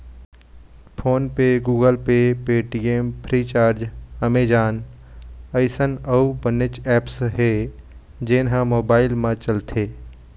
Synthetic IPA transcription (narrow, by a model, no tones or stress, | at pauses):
pʰoːnpeɡuːɡəlpepeːʈijempʰɾiːt͡ʃaːɾd͡ʒəmeːd͡ʒaːn | əɪsənɐubənɪt͡ʃɛːpsɦe | d͡ʒɪːnɦãmoːbaːɪlmãt͡ʃɐlt̪ʰeː